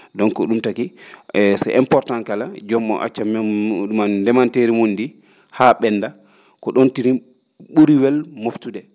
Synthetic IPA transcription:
dɔnkɔɗumtakiɛsɛ̰ʔɛmpɔɾtankalad͡ʒɔmːɔ̰ʔa̰t͡ʃːamɗumandɛmanteɾimundi | haɓɛnːda | kɔɗontiɾi | ɓuɾiwɛlmoftudɛ

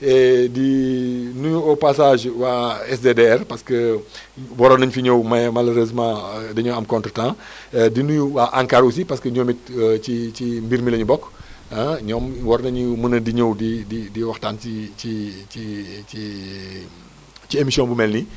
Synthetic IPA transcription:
ɛdinuɲuɔpasaːʒwaɛsdedeɛrpɐskə | wɔɾɔnɐɲfiɲowmɐmɐlɐɾezmãːdɐɲowɐmkɔ̃ntɾətãː | dinuɲuwaʔaŋkaɾusipɐskəɲomit̚cit͡ʃimbiɾmilɐɲubɔkaɲɔːmwɔɾnɐɲumənɐdiɲowdididiwɐxtaːniiii | ciemisjɔ̃nbumɛlni

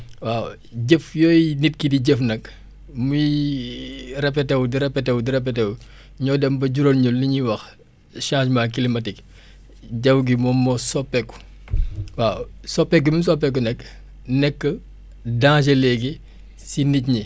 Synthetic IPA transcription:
waː | ɟefjɔːjnit̚kidiɟɛfnɐk | muji | rɛp̬ːɛtɛwdiɾɛpːɛtɛwdiɾɛp̬ːɛtɛw | ɲɔːdɛmbɐɟuɾolɲulːiɲiwɐx | ʃãːʃmaːkilimɐtik | ɟɐwɡimɔmːɔsɔpːɛkːu̥ | waːsɔpːɛk̚ɡimus̬ɔpːɛkːunɛkː | nɛkːə | dãːʃ̬ɐlɛɡi | sinicɲi

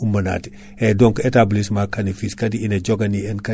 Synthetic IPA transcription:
umɐna̰ti̥ | edoŋketablismakanifiskɐdiineɟoɡɐniɛnka

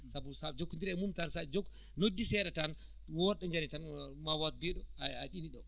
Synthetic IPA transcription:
sabusad͡ʒokːundiɾɛmumtansad͡ʒok | nodːisɛɗɛtan | wɔɗɛɲd͡ʒanitanmawatbɛɗɔaa̰ɗiniɗɔ

